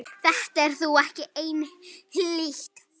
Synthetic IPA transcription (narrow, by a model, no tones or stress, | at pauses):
θɛht̪aɛɾ̥θuɛhcɪʔejnɪhiliht̪